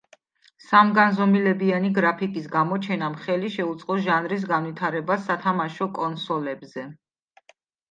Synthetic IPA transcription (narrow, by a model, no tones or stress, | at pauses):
samɡanzɔmilɛbianiɡɾapʰikʼis̬ɡamɔt͡ʃʰɛnamχɛliʃɛut̪sʼqʼɔʒanɾis̬ɡanwit̪ʰaɾɛbasːat̪ʰamaʃɔkʼɔnsɔlɛbzɛ